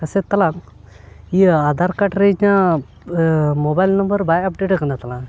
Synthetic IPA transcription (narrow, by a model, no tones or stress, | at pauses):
kəset̪ːɐlãŋ | iad̪ʱaɾkaʈɾeɲã | mobajlnəmbəɾbajɐp̚ɖeʈəkɐɳdat̪ːɐlãŋ